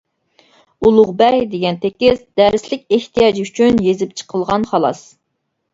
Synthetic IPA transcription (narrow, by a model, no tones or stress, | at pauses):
ulˠʊʁbɛjd̪eɡʲɛnt̪ʰekʲɪsd̪ɛɾɪslɪk̚ʲeht̪ʰijɑd͡ʒyt͡ʃʰynjezɪp̚t͡ʃʰə̥qʰəlˠʁɑnχɑlˠɑ̰s